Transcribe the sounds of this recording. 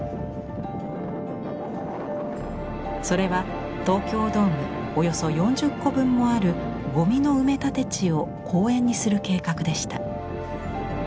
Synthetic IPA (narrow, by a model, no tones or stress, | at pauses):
so̞ɾe̞βa | t̪o̞ːkʲo̞ːd̪o̞ːmɯ̟ | o̞jo̞so̞jõ̞ɲ̟d͡ʑɨkːo̞bɯ̟̃mːo̞aɾɯ̟ | ɡo̞mʲino̞ɯ̟me̞t̪at̪e̞t͡ɕio̞ | kʰo̞ːẽ̞ɲ̟ːisɨɾɯ̟ke̞ːkakɯ̟d̪e̞ɕi̥t̪a